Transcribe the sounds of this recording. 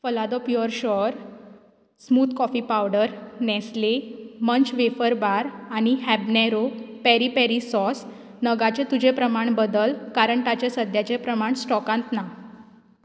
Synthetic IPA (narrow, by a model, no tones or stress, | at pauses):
fəlad̪ɔpjuɾɕɔɾ | smuːt̪kɔfipawɖəɾnɛ̃sleməɲt͡ɕʋefəɾbaɾañiɦɛbnɛɾopɛɾipɛɾisɔs | nəɡat͡ɕẽt̪ud͡ʑepɾəmaɳbəd̪əlkaɾəɳt̪at͡ɕesəd̪ʱjat͡ɕepɾəmaɳsʈɔkãnt̪na